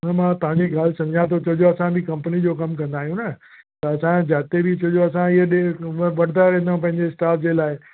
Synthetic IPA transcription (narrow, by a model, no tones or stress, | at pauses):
ʊnɐmãt̪ɐʋ̤ãɲd͡ʑeɡaːlsɐ̃md͡ʑʱjãt̪̬ʰot͡ɕɐd͡ʑõɐsãbʱɪkɐ̃mpənid͡ʑoːkɐmkɐ̃nd̪aːɦijũnɐ | t̪ɐɐsãd͡ʑaːt̪ebʱɪt͡ɕɐd͡ʑoɐsãɪɦəɗeʋɐɽ̤d̪aɾẽːnd̪aũp̬ɐ̃ɦɪ̃ɲd͡ʑesʈaːɾfd͡ʑeːlaːɪ